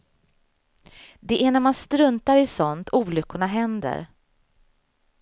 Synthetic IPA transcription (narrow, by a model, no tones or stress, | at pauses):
d̪ɛʔæɳæɾmanst̪ɾɵnt̪aɾɪsɔnt̪ʰuːlʏkːʊɳaɦɛnd̪ə̰ɾ